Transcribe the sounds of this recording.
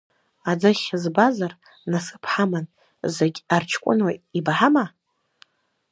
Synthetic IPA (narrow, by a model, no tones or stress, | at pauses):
ad͡zɨχʲzbazar | nasɨ̥pʰħaman | zeɡʲart͡ʃʰkʷʼʊ̰nwaibħama